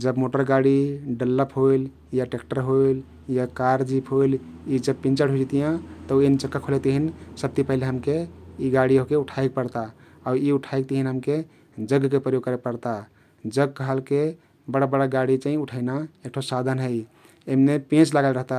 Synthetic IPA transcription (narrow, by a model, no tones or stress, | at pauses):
d͡ʒəbmoʈəɾɡaɽiɖəlːəpɦojl | jaʈekʈəɾɦojl | jakaɾd͡ʒipʰɦojlid͡ʒəb̚pĩnt͡ʃəɽɦod͡ʒit̪ijãt̪əuent͡ʃəkːakʰolet̪iɦinsəb̚t̪ipəɦileɦəmkeiɡaɽiɦokeuʈʰajk̚pəɾt̪a | aʊɾiuʈʰaik̚t̪iɦinɦəmke | d͡ʒəɡʱkepɾəjoɡ̚kəɾepəɾt̪a | d͡ʒəɡ̚kəɦəlke | bəɽabəɽaɡaɽit͡ʃaɦĩuʈʰaɪnaek̚ʈʰosad̪ʱənɦəɪ | emnepẽt͡ʃlaɡəlɾəɦt̪a